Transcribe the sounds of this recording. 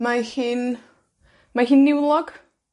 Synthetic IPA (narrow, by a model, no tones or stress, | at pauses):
mahiːn | maɦiːnːɪwlˠɔɡ̥